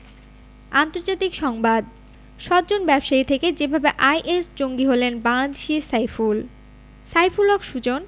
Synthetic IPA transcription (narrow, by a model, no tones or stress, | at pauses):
ant̪oɾd͡ʑat̪ikʃɔŋbad̪ | ʃɔt̪̚d͡ʑonbɛbʃait̪ʰeked͡ʑebʱabeʔajʔesd͡ʑoŋɡiɦolenbaŋlad̪eʃiɾsajful | sajfulɔkʃud͡ʑon